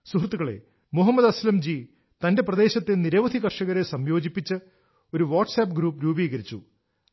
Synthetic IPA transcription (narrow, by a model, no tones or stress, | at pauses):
suɦrt̪ːuɣɐɭe̞̰ | muɦɐmːɐd̪ɐslɐmd͡ʑi | t̪ɐnde̞prɐd̪e̞ːɕɐt̪ːeniɾɐʋɐd̪ʱiɣɐrʂɐɣɐɾesɐmjo̞ːd͡ʑipːit͡ɕːɨ | o̞ɾuʋaːʈsɐːp̬ɡɾuːpːɾuːbiːɣɐɾit͡ɕːṵ